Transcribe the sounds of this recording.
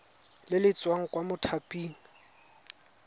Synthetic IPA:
lɪlɪt͡sʼwaŋ̩kʼwamʊtʰapʼiːni

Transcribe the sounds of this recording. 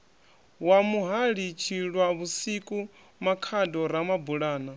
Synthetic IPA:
wamuɦaɺit͡ʃʰiɺwaβusikʼu | makʰadɔɾamabuɺaːna

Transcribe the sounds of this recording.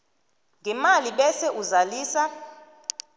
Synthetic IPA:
ŋɡʱɛmaliɓɛsɛʔuzaliːsa

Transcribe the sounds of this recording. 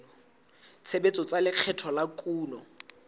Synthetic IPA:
ɔ | t͡sʰebet͡sʼɔt͡salɪq͡χʰɛtʰɔlakʼuːnɔ

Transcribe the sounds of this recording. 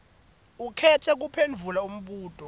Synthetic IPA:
ukʰɛtʰɛk̬upʰend͡vʱulaum̩ɓuːtʼɔ

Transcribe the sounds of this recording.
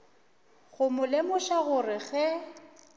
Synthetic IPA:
ɣʊmʊlemʊʃaɣʊrɪɣɛ

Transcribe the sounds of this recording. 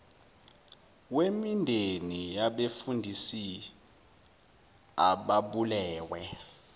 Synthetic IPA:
wemindʱenijaɓefundʱisi | aɓaɓulɛːwɛ

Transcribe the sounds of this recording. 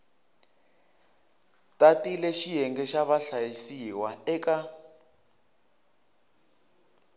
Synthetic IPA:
tʼatilɛʃijɛŋɡɛʃaβaɬajisiwaɛka

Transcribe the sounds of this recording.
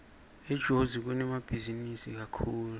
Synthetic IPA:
ɛd̥ʒ̥ʱozik̬unɛmab̥ʱizinisḭk̬akʰuːlu

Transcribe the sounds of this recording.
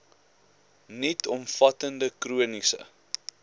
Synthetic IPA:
nitɔmfɐtəndəkɾuənisə̰

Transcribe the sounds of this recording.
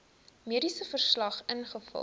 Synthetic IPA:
miəɾisəfərslɐχənχəfə̰

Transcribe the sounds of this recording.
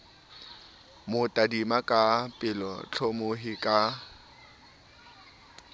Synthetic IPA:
mʊtʼadimakʼapʼɪlɔt͡ɬʰɔmoɦɪkʼa

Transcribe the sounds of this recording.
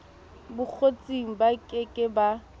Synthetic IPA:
bʊk͡xʰot͡sʼiŋ̩bakʼɪkʼɪba

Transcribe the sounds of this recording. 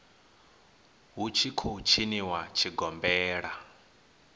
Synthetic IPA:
ɦut͡ʃʰikʰot͡ʃʰiniwat͡ʃʰiɡɔmbɛːɺa

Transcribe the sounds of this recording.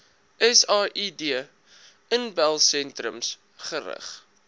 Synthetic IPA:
ʔɛsɑːʔidiə | ənbælˠsɛntɾə̰ms | χəɾə̰χ

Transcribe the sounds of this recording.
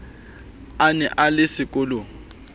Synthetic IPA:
anɛʔalɪsɪkʼʊlo

